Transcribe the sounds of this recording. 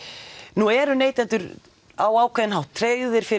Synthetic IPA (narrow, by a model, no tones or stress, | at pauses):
nuɛɾʏneːjt̪ɛnt̪ʏɾ | aːwaːwkʰvɛðɪnɦawht̪ʰːɾeːjʏðɪɾ̥fɪ